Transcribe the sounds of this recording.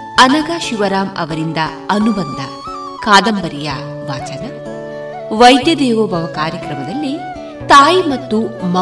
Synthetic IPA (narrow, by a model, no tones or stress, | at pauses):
ɐnɐɡaːʃiʋɐɾaːmɐ̰ʋɐɾind̪ɐ | ɐnubɐnd̪ʱɐ | kaːd̪ɐmbɐɾija̰ː | ʋaːt͡ʃɐnɐ | ʋɐjd̪jɐd̪ɛːʋobʱɐʋɐkaːɾjɐkɾɐmɐd̪ɐlːi | t̪aːjimɐt̪ːumɐ